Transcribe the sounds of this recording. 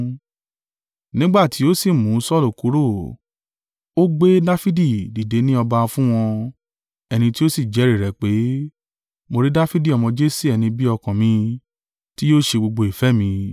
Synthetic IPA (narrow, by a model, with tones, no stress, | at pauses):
nĩ˦ɡ͡ba˦˨tʰi˨˦o˦si˦˨mũ˨˦sɔ˦˨lu˨ku˨˦ɾo˦˨ | o˦ɡ͡be˦da˦fi˦di˦˨di˨de˨˦nĩ˦ɔ˧ba˧fũ˦w̃ɔ̃˧ | ɛ˧nĩ˧ti˦o˦si˦˨d͡ʒɛ˨˦ɾe˦˨ɾɛ˨k͡pe˨˦ | mo˧ɾi˦da˦fi˦di˦˨ɔ˧mɔ̃˧d͡ʒe˦si˦ɛ˧nĩ˧bi˦ɔ˧kã˨mĩ˧ | ti˦jo˦˨ʃe˧ɡ͡bo˧ɡ͡bo˧i˨fɛ˨˦mĩ˧